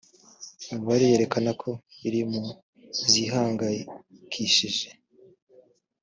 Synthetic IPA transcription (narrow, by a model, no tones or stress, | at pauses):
uβaɾije̞ɾe̞kanakʰo̞iɾimu | ziɦaːŋɡakʰiʃiʒe̞